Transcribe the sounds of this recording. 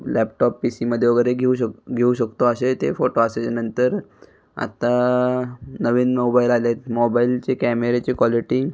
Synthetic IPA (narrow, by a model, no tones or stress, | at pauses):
lɛp̚ʈɔpːisiməd̪ʱːjeʋəɡeɾeɡʱeuɕəɡʱeuɕəkt̪oaset̪efoʈoaset͡ɕanənt̪əɾ | a̰t̪a | nəʋiːnmobailalet̪mɔbailt͡ɕekɛmeɾet͡ɕekʋɔliʈiː